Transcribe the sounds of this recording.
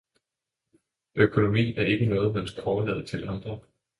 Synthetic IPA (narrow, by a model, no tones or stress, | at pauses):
ʔøkʰo̝no̝mḭːæɐe̝ɡ̥ənɔ̽ːð̩ˠmemskʰɒːlɛ̰ð̩ˠt͡sʰe̝lɑ̈nd̥ʁɐ